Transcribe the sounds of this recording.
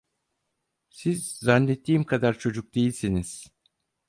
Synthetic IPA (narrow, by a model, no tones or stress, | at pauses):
sizːanːet̪ʰːiːmkʰad̪aɾt͡ʃʰo̞d͡ʒuk̚d̪e̞jilʲsiniz̥